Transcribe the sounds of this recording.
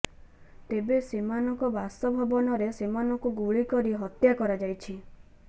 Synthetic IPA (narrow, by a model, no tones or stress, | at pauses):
t̪ebesimanɔkɔbast̪ɔbʱɔbɔnɔɾesimanɔkuɡuɭikɔɾiɦɔt̪jakɔɾad͡ʒajt͡ʃʰi